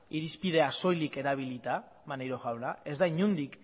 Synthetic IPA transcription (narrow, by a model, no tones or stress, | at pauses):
iɾispið̞e̞aso̞jlike̞ɾaβilit̪a | manejɾo̞ɣawnae̞zd̪aiɲund̪ik